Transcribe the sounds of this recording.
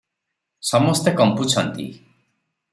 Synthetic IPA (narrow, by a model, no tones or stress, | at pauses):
sɔmɔst̪ekɔmput͡ʃʰɔnt̪ḭ